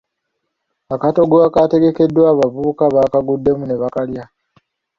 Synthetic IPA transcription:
akato̞ɡoakate̞ɡe̞ke̞dːwaːβavuukaβaːkaɡudːe̞mune̞βakalja

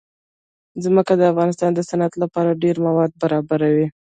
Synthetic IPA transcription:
zməkad̪əafɣɑnɪst̪ɑnd̪əsanat̪lapɑɾaɖeɾmawɑd̪̚baɾɑbaɾawi

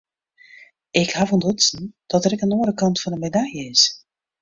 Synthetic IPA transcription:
ɪkhavɔndɔtsən̩d̥ɔtəɾɛkənoːɾəkɑntfɔnənmedajəɪs

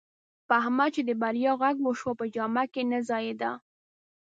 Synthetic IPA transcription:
paɦmat͡ʃed̪əbaɾjɑɣaɡwəʃwopəd͡ʒɑmakenazɑjed̪a

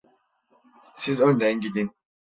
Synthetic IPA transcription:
sizønd̪ænɟid̪in

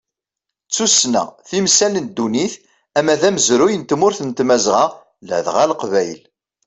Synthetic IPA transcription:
t͡sːusnæ̰θimsælənd̪ːuniθ | æmæðæməzɾujənt̪mʊɾθənt̪mæzʁɑ | lə̰ʕðʁæləqvæjl

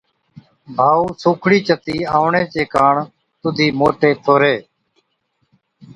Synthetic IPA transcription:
bʱaːuːsuːkʰɽiːt͡ʃət̪iːaːʋɳeːt͡ʃeːkaːɳ | t̪ʊd̪ʱiːmoːʈeːt̪ʰoːɾeː

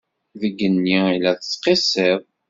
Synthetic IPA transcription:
ðəɡːənːiilæθə̥t͡sːqisˤeðˤ

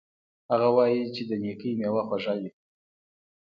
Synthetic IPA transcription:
haɣawɑjit͡ʃed̪ənekəjmjewaxwaʒali

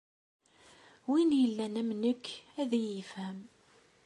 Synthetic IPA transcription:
winjəlːænæmnəkːæðijifæm

